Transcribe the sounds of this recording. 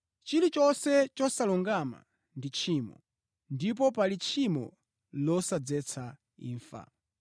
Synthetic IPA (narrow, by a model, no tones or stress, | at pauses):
t͡ʃilit͡ʃɔsɛt͡ʃɔsalɔŋɡama̰ | ndit͡ʃʰiːmɔ̰ | ndip̬ɔpalit͡ʃʰimɔ̰ | lɔsad͡zɛt͡sʰa | ḭːɱfa̰